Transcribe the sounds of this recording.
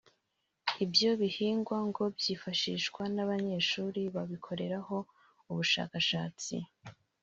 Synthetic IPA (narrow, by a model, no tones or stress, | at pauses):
ibjo̞βihiːŋɡwaŋɡo̞bjiːfaʃiːʃkwanaβaɲe̞ːʃuːɾiβaβikʰo̞ɾe̞ɾaho̞ | uβuʃa̰ːkaʃaːt͡sḭ